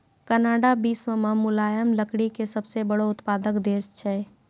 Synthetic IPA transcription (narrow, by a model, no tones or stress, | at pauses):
kənaːɖabiːsməmãmʊlaːjəmləkɽikesəbsebəɽoʊt̪paːd̪əkd̪eːst͡ʃʰɛː